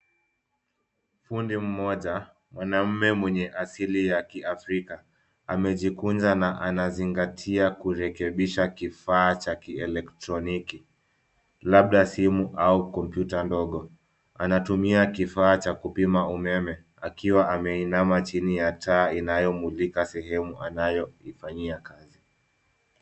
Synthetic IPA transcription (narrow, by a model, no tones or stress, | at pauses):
m̩fundim̩mɔʄa | mwanam̩mɛmwɛɲɛʔasilijakiafɾika | amɛʄikunzanaʔanaziŋɡatʰiakuɾɛkɛɓiʃakifaːt͡ʃakiɛlɛktɾɔniki | laɓ̚ɗasimuʔaukɔmpjutandɔɠɔ | anatumiakifaːt͡ʃakupimaumɛmɛ | akiwaʔamɛinamat͡ʃinijatʰaːinajɔmulikasɛɦɛmuʔanajɔifaɲiakazi